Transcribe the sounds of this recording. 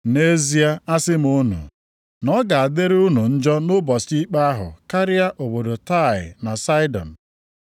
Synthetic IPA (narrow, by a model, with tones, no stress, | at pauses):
ne˦zi˦a˦a˦sɪ˦m̩u˦nṵ˨ | nɔ˦ɡa˨a˨de˦ɾʊ˦nu˨n̩˦d͡ʒɔ˦nʊ˦bɔ˨si˦k͡pa˦a˦ɦʊ̰˨ka˦ɾɪ˦a˦ʔo˨bo˨do˨ta˦˨ɪ̰˨na˨sa˦ɪ˦dɔ̰˨n̩˨